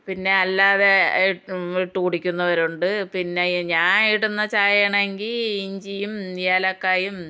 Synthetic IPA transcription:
pinːe̞ɐlːaːðe̞ | iʈːukuɽikʲːunːɐʋɐɾuɳɖɨpinːe̞ɲaːniʈunːɐt͡ɕaːjɐɳeŋɡiliɲd͡ʑijumjaːlɐkːaːjum

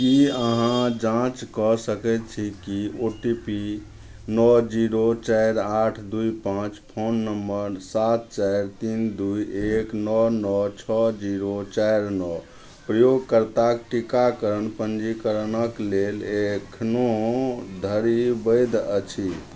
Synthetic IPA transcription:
kiəɦãd͡ʒãt͡ʃkɔsəkɛt̪t͡ʃʰikioʈipi | nɔd͡ʒiɾot͡ʃajɾaʈʰd̪ujpãt͡ʃpʰonːəmbəɾsat̪̚t͡ʃajɾt̪ind̪ujeknɔnɔt͡ʃʰɔd͡ʒiɾot͡ʃajɾnɔ | pɾəjoɡ̚kəɾt̪akʈikakəɾənpənd͡ʒikəɾnəklelekʰnod̪ʱəɾibəjd̪ət͡ʃʰi

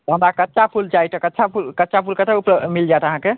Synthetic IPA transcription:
t̪ɔɦəmɾakətːʃapʰult͡ʃajt̪ʰəkətːt͡ʃʰapʰulkətːʃapʰulkət̪aupɾəmild͡ʒajt̪əɦãke

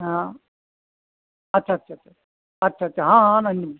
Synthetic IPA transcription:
ɦã | ɐtːt͡ʃʰaɐtːt͡ʃʰaɐtt͡ʃʰa | ɐtːt͡ʃʰaːtt͡ʃʰaɦãnɐni

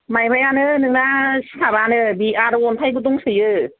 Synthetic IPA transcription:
majbʰajanɯnɯŋnasi̥tʰabanɯbiʔaɾɯonpʰajk̬ut̪̬uŋsɯjɯ

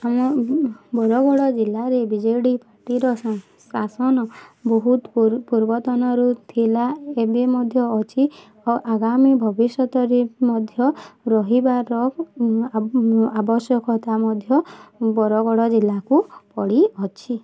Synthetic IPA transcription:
amɔbɔɾɔɡɔɽɔd͡ʒilːaɾebid͡ʒɔjɽipaɾʈiɾɔ | sasɔnɔbɔɦut̪puɾbɔt̪ɔnɔɾut̪ʰilaebemɔd̪ʱjɔːt͡ʃʰi | ɔʔaɡamibʱɔbisjɔt̪ɔɾemɔd̪ʱjɔɾɔɦibaɾɔ | abɔsjɔkɔt̪amɔd̪ʱjɔbɔɾɔɡɔɽɔd͡ʒilːakupɔɽiɔt͡ʃʰi

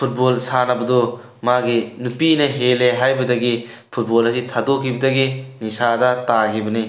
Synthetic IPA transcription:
pʰut̚bolsanɐbɐdo | maɡinupinɐɦeleɦajbɐdɐɡi | pʰut̚bolɐsitʰadokʰibɐdɐɡinisadɐtaɦibɐni

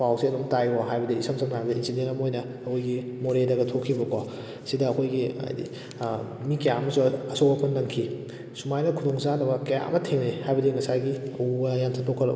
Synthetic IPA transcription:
pawsiɐnomtajɡɔɦajbɐdiisɐmsʰɐmhajbɐdiinsidentɐmojnɐːkʰojɡimoɾedɐɡɐtʰokʰːibɐka | sidɐːkʰojɡiɐ̰jdḭ | mikɐjaɐmɐsuɐsowɐpʰːɐnːɐnkʰi | sumajnɐkʰudoŋsadɐbɐkɐja̰ʔɐ̰mɐtʰeŋnehajbɐdiŋɐsajɡiɐubɐjantʰatʰokʰɐɾlɐ̰

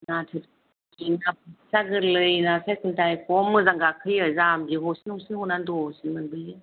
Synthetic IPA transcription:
natʰɯt | kinap̚ʰɯsaɡɯɾlɯjnasajkʰɯntajkɔmɯzaŋɡakʰɯjɯzamɡiɦɔsinɔŋsinhɔnandɔsimɯnbɯjɯ

